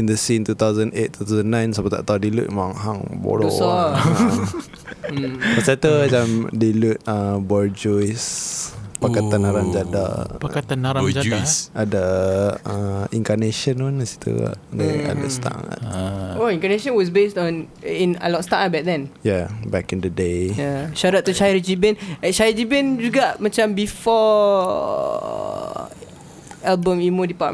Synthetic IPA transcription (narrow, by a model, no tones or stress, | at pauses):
indəsint̪ut̪awzə̃net̪̚t̪ːut̪awzənːãjnsapat̪a̰ʔt̪awdilṵʔ̚mãŋɦaŋbo̰ɾo̰ɔ | pasat̪əd͡ʒamdilut̪̚əbɔld͡ʒɔjs | pakat̪anaɾamd͡ʒada̰pakat̪anaɾad͡ʒasʔadəə̃iŋkaneʃənmanəsi̥t̪ṵa̰naa̰dəst̪a̰ŋa̰toĩŋkaneʃə̃nwɔs̬bestɔ̃nĩnə̰lɔtst̪aʔabat̚dɛ̃njabɛkĩndədejaʃaɾat̪̚t̪ːuʃajəɾd͡ʒibɛnɛʃajd͡ʒibɛnd͡ʒuɡaʔmãt͡ʃãmbifɔ | ɛlbə̃mimodipaʔ